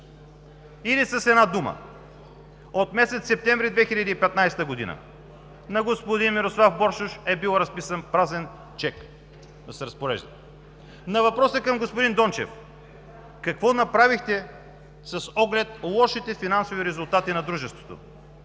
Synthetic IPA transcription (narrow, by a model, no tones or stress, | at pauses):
ilisɐsɛd̪nad̪umə̰ | ot̪mɛsɛt̪sɛp̚t̪ɛ̃ɱvɾid̪vɛxiʎʲɐd̪iːpɛt̪najst̪əɡod̪ḭnə̰ | nɐɡospod̪inmiɾoslˠafbɔɾʃʊʃɛbilˠɾɐspisənpɾazɛn | t͡ʃɛk | d̪ɐsɛɾɐspoɾɛ̰ʒd̪ɐ | nɐvɐpɾɔsəkɐmɡospod̪ind̪ɔnt͡ʃɛ̰f | kɐkvɔnɐpɾavixt̪ɛ | sɐsɔɡlɛt̪̚lˠɔʃit̪ɛfinansoviɾɛzʊlˠt̪at̪inɐd̪ɾuʒɛst̪vo̥t̪o̰